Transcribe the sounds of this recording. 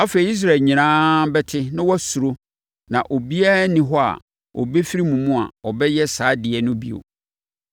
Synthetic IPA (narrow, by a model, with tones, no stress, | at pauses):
a˦fe˨i˨i˦s̬ɾa˨ɲĩ˨nãː˦bɛ˦tʰɪ˦nʊ̃˦wɔ˦su˨ɾo˦ | nã˨ʔo˨bi˦a˦nĩ˨ɦɔ˦a̰˨ | ʔɔ̰˨be˦fi˦ɾi˦mũ˨mũ˦a̰˨ɔ˨bɛ˦jɛ˦saː˨˦dɪ˨ɛ˨nʊ̃˦bḭ˨o̰˨